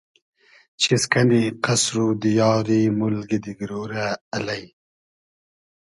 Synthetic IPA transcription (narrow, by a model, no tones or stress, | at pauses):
t͡ʃʰiskaniqasɾud̪ijɑːɾimʊlɡid̪iɡɾoɾaːlaj